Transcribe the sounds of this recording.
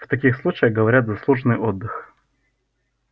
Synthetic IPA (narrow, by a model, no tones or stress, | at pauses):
ft̪ɐkʲixslˠut͡ɕɪjəxɡəvɐɾʲat̪zɐslˠuʐnɨjod̪ːɨx